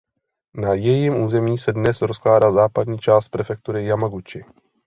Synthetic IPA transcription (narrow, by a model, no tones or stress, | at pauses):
najɛjimʔuːzɛmiːsɛdnɛsɾosklaːdaːzaːpadɲiːt͡ʃaːst̪̚pɾɛfɛk̚t̪uɾɪjamaɡut͡ʃɪ